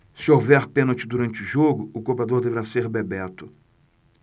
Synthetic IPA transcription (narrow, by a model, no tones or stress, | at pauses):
sɪowvɛɾpẽnot͡ʃɪd̪uɾɐ̃nt͡ʃɪuʒoɡʊʊkopɾad̪oɾd̪eveɾaseɾbebɛt̪ʊ̥